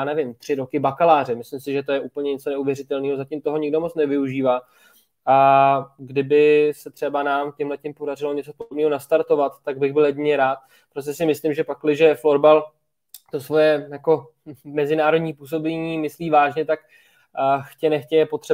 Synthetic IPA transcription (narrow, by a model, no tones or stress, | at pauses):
janɛvɪmt̪r̥ɪɾo̞kɪbakalaːr̝ɛmɪslɪmsɪʒɛt̪o̞jɛʔupl̩ɲɛɲɛt͡so̞nɛuvjɛrɪt̪ɛlniːɦozacɪmt̪oɦoɲɪɡdo̞mo̞t͡snɛvɪuʒiːvaː | ʔaɡdɪbɪsɛt̪r̥ɛbanaːmcɛmɦlɛcɪmpo̞darɪlo̞ɲɛt͡so̞podobniːɦo̞nast̪aɾt̪o̞vat̪ːaɡ̚bɪɣbɪljɛɟɪɲɛɾaːt̪̚ | pɾos̬cɛsɪmɪslimʒɛpaklɪʒɛfloɾbal | t̪o̞svo̞jɛjako̞ | mɛzɪnaːɾo̞dɲiːpuːs̬o̞bɛɲiːmɪsliːvaːʒɲɛt̪ak | xcɛnɛxcɛjɛpot̪r̥ɛ